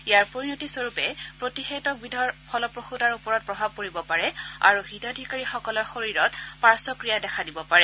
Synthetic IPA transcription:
ijaɹpoɹinotisoɹupɛpɹotixetɔk̚bidʱɔɹpʰɔlɔpɹoxudaɹupɔɹɔt̚pɹɔbʱab̚koɹibɔpaɹɛa̰ɹuɦitadʱikaɹixɔkɔlɔɹxoɹiɹɔtpaɹsɔkɹijadɛkʰadibɔpaɹɛ

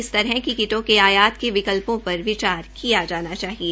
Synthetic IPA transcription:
ɪst̪ɐɾɦɛkikɪʈõkeaːjaːt̪keʋɪkəlpõpɐɾʋɪt͡ʃaːɾkijad͡ʒaːnat͡ʃaːɦie

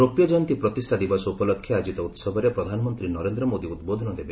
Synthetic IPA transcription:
ɾopjɔd͡ʒant̪ipɾɔt̪isʈʰad̪ibɔsɔupɔlɔkʰːjead͡ʒit̪ɔut̪sɔbʱɔɾepɾɔd̪ʱanɔmɔnt̪ɾinɔɾend̪ɾɔmod̪iud̪̚bod̪ʱɔnɔd̪ebe

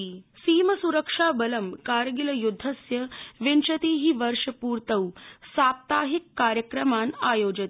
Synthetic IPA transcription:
siːmɐsuɾəkʂaːbɐlɐmkaːɾɡilɐjud̪ʱːɐsjɐʋent͡ʃɐt̪iːɦiʋɐɾʂɐpuːɾt̪ɐwsaːp̚t̪aːɦikːaːɾjəkɾɐmaːnaːjoːd͡ʒɐt̪

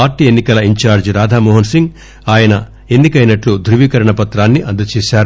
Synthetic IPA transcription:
aːɾʈiːenːikɐlɐiɲt͡ʃaːɾd͡ʒɾaːd̪ʱaːmɔːɦɐnsiŋɡ | aːjɐnɐ | e̞nːikɐjnɐʈlud̪ʱɾuʋiːkɐɾɐɳɐpɐt̪ɾaːnːiʔɐnd̪ɐt͡ʃiːʃaːɾu

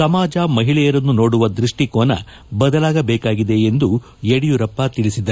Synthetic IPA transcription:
sɐmaːd͡ʒɐmɐɦiɭɛjɐɾɐnːuno̞ːɽuʋɐd̪ɾiʂʈikoːnɐ̰ | bɐd̪ɐlaːɡɐbɛːkaːɡid̪e̞ːnd̪u | jeɽijuɾɐpːɐt̪iɭisid̪ɐ

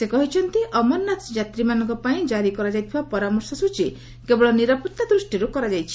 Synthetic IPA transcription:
sekɔɦit͡ʃʰɔnt̪iʔɔmɔnːat̪d͡ʒat̪ɾimanɔ̃ŋkɔpaĩd͡ʒaɾikɔɾad͡ʒajt̪ʰibapɔɾamɔɾsɔsut͡ʃi | kebɔɭɔniɾaput̪ːad̪ɾusʈiɾukɔɾad͡ʒajt͡ʃʰi̥

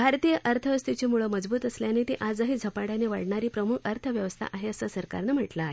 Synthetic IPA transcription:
bʱaɾt̪ijəʔəɾt̪ʰəst̪ʰit͡ɕemuɭəməd͡zbuːt̪əsljanet̪eʔad͡zəɦiːd͡zʱəpaɽjaneʋaɽɳaɾiːpɾəmukʰəɾt̪ʰəʋjəʋəst̪ʰa̰ʔaɦeəsasəɾka̰ɾnəm̤əʈlaɦe

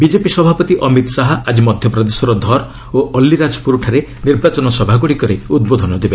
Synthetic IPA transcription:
bid͡ʒepisɔbʱapɔt̪iʔɔmit̪saɦɔad͡ʒimɔd̪ʱjɔpɾɔd̪esɔɾɔd̪ʱɔɾ | oʔɔlːiɾad͡ʒɔ̥puɾʈʰaɾe | niɾbat͡ʃɔnɔsɔbʱaɡuɽikɔɾeud̪bod̪ʱɔnɔd̪ebe

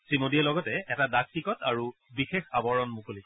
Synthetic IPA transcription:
sɹimodijɛlɔɡɔtɛɛtadaktikɔtaɹubixexabɔɹɔnmukoli

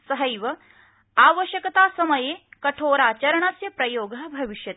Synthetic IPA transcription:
sɐɦɐjʋɐ | aːʋəʃjɐkɐt̪aːsɐmɐjeːkɐʈʰoːɾaːt͡ɕɐɾɐɳɐsjɐpɾɐjoːɡɐbʱɐʋiʃjɐt̪

